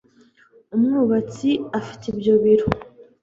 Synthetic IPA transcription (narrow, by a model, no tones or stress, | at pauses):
umŋuːβat͡siafi̥teibjo̞βiɾo